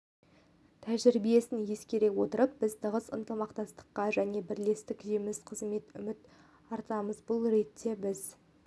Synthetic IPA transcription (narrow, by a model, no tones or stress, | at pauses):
t̪ʰæʒɪɾbije̞sɪnje̞skʲe̞ɾe̞wo̞t̪əɾəp̚b̥ɪzt̪ʰəʁəsə̰nt̪əmɑqt̪ɑst̪ə̥qːɑʒæne̞bɪɾle̞st̪ɪkʒemɪsqʰəzme̞t̪ʏ̰mɪt̪ | ɑɾt̪ɑməzbʊlˠɾe̞t̪ʰːe̞bɪz